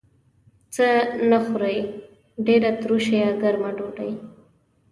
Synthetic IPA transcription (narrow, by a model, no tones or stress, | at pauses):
t͡sənaxuɾəj | ɖeɾat̪ɾuʃejaɡaɾmaɖoɖa̰j